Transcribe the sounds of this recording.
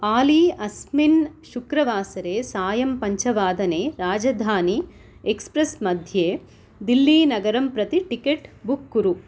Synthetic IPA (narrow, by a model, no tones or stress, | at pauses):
paːliːɐsminʃukɾɐʋaːsɐɾeːsaːjɐmpɐɲt͡ʃɐʋaːd̪ɐneːɾaːd͡ʒɐd̪ʱaːni | ekspɾɐsmɐd̪ʱjeː | d̪ilːiːnɐɡɐɾɐmpɾɐt̪iʈikeʈbukːuɾu